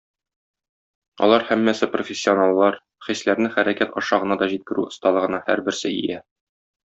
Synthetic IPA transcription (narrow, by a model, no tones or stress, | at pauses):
ɒ̰lˠɑɾhæmːæsɘprofʲesʲːionɑlˠːɑɾ | χislæɾnɘχæɾækæt̪ɒʃɑʁɤ̆nɑd̪ɒʑit̪̚kɘ̆ɾʉŏst̪ɑlˠɤ̆ʁɤ̆nɑhæ̰ɾbɘ̆ɾsɘḭjæ